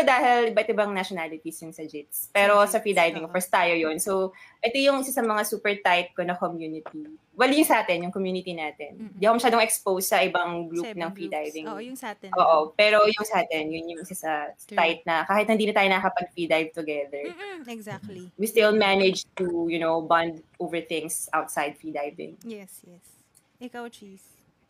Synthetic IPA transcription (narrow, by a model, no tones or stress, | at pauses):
d̪aːhɪlʔɪbaɛt̪oɪbɐŋnɐʃonalɪt̪isjʊnsɐd͡ʒɪt̪̚spɛːɾo̞sɐfɹid̪ajvɪŋofɛst̪aːjojonsowʔɛt̪ojʊŋʔɪsasɐmɐŋasuːpɛɹt̪ajt̪̚konɐkomjuːnɪt̪i | wɛljʊŋsɐʔaːt̪ɛnjʊŋkomjuːnɪt̪inaːt̪ɛnɪndiːɐkomɐʃaːd̪oŋɛkspowsːɐʔɪbɐŋɡɹup̚nɐŋfɾid̪ajvɪŋʔoːʔopɛːɾojʊŋsɐʔaːt̪ɛnjʊnjʊŋʔɪsasɐt̪ajt̪̚nɐkaːhɪt̪̚hɪnd̪iːnɐt̪aːjonɐɐkɐpɐɡ̚fɹid̪ajvt̪ʊɡɛðɛɹ | wist̪ɪlmanɛd͡ʒt̪ujʊnowbɐ̃nd̪ʔovɛɹθɪ̃ŋsʔawt̪sajd̪̚fɹid̪ajvɪ̰̃ŋ